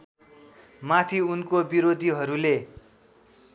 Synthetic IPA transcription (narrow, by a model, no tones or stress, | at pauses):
mat̪ʰiunkobiɾod̪ʱiɦʌɾule